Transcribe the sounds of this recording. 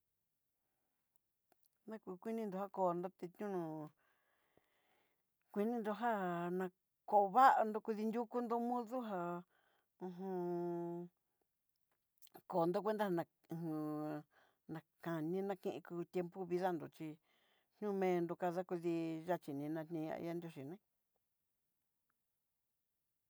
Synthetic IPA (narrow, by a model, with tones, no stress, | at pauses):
nã˦ku˧kʷi˦nĩ˧nd̪o˧˨ha˦ko˨nd̪o˦t̪e˧t̪ɲũ˦nũ˧ | kʷi˧nĩ˦nd̪o˧ɦa˦nã˧ | ko˧βa˦ʔa˧nd̪o˧kʷu˧ði˧nd̪ʲu˦ku˦nd̪o˦˧mũ˦ðu˦ɦa˧ | ũ˧ɦũ˧ | ko˨nd̪o˦kʷe˦nd̪a˦ha˧nã˧˨hũ˧ | nã˨˧kã˨nĩ˦nã˧kĩ˧ʔḭ̃˧ku˧t̪ʲje˧mpu˦βi˧ða˦nd̪o˨t͡ʃi˧ | n̥ɲũ˦˧mẽː˦˧nd̪o˧ka˧ða˦kʷi˧ði˧ʒa˦˧t͡ʃi˨nĩ˧nã˧tnĩ˧a̰˧ḭ˧ja˦nd̪jo˧ʃi˨nẽ˦